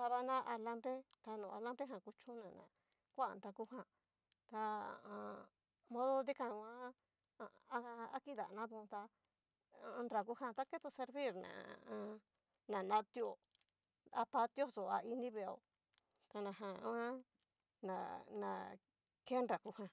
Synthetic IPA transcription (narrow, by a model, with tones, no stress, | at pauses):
a˧βa˧nã˦ʔa˧la˧mbɾe˦t̪a˧nũ˨a˧la˦mbɾe˦ɦã˧˨ku˧t͡ʃũ˦nã˨nã̰˨ | kʷa˦a˨nɾa˧ku˦ɦã˧ | t̪a˧a̰˨ʔã˧ | mõ˦ðo˦d̪i˦kã˧ã˦˧˦ | a˦ki˦ða̰˨nã˦ðũ˧t̪a˧ | a˧nɾa˧ku˦hã˧t̪a˦ke˦t̪o˧se˧ɾβi˦˨ɾnã̰˨ã˧ | nã˨nã˧t̪jo˨ | a˧pa˧t̪jo˦so˨a̰˧i˧nĩ˦βe˧˨o̰˧˨ | t̪a˧nã˨ɦã˧ã̰˦ | nã˨nã̰˨ | ke˦nɾa˨ku˧hã˧